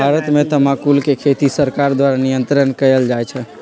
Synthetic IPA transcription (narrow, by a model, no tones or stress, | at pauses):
bʱaɾət̪met̪əmakulkekʰet̪isəɾkaɾd̪waɾanijənt̪ɾənkəjəld͡ʒajt͡ʃʰɛ